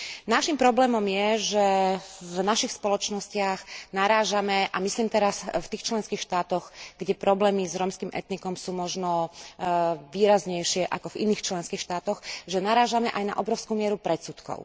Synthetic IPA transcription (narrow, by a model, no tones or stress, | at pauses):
naʃimpɾɔblɛːmɔmjɛʒɛvnaʃixspɔlɔt͡ʃnɔscɪaɣnaɾaːʒamɛʔamisliːmt̪ɛɾasft̪iːxt͡ʃlɛnskiːxʃt̪aːt̪ɔɣɡɟɛpɾɔblɛːmizɾɔmskiːmʔɛ̰t̪nikɔmsuːmɔʒnɔ | ʋiːɾazɲɛjʃɪɛʔakɔvḭniːxt͡ʃlɛnskiːxʃt̪aːt̪ɔxʒɛnaɾaːʒamɛʔajna̰ʔɔbɾɔʊskuːmɪɛɾupɾɛt̪sut̪kɔ̰ʊ